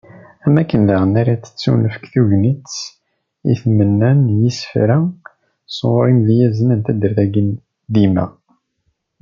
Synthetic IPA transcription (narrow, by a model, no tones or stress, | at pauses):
æmækːənlaʁənaɾat͡sːə̥t͡sːṵnəfə̥kθuʝnit͡sː | ḭθmənːænjisfɾæ | swɾˤimðijæznənt̪æd̪əɾðæɡən | d̪imæ̰